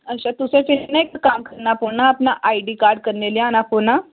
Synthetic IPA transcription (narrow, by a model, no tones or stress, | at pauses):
əɕat̪useʈinnaekəkamkəɾnapoɽnaːpnaʔaiʈiːkaɾɖkəɾɳeljanapuna